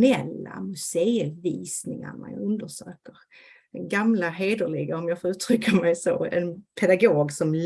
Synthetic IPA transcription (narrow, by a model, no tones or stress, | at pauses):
nɛlːa̰mɵseːviːsnɪŋa̰ɳa̰ɵnd̪əʂøːkəɾ | ɛɡamlaɦeːd̪əɭɪɡaɔmjɑːfɔɾʉ̟ːt̪ʰɾʏkːamɛjso̰ɛ̰npʰɛd̪aɡoːɡsɔml